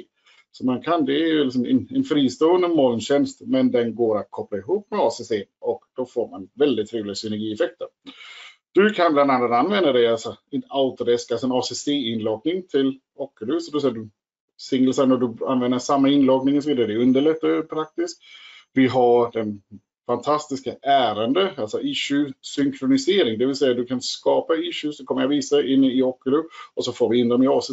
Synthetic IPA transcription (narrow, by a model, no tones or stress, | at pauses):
sɔmankʰand̪ɛæɾjɵlɪks̬ɔmɛ̰nɛnfɾiːst̪uːənd̪əmɔlnɕɛnst̪mɛnd̪ɛnɡoːɾat̪̚kʰɔplaɪɦuːpːmɛɑːseseːʔɔkd̪̥ɔfoːɾmanvɛld̪ɪt̪ʰːɾeːvlɪɡasʏnɛɾɡiːɛfɛk̚t̪əɾ | d̪̥ɵkʰanbland̪anːat̪anvɛnd̪ad̪ɛjalsɔɛnaʊt̪ad̪ɛskalsɔɛnɑːsɛseːɪnlɑːɡnɪŋt̪ʰɪl | ɔːkːəlʉ̟ːsɔd̪ɔs̬ɛːd̪ɵ | sɪŋːlsɛnɔd̪ɵanvɛnd̪əʂamːaɪnlɑːɡnɪŋɔsɔviːd̪aɾɛd̪ɛɵnd̪əɭɛt̪ːɛpʰɾak̚t̪ɪsk̚vɪɦaɾdɛn | fant̪ʰast̪ɪskaʔæːɾand̪əalsɔʔɪɕʉsʏŋkʰɾʊnɪseːɾɪŋd̪ɛvɪlsɛjːad̪ɵkʰanskɑːpaɪɕʉsɔkʰɔmːəɾjaviːsaɪnːɪɔkːəlʉɔsɔfoːvɪɪnd̪ɔmɪɑːs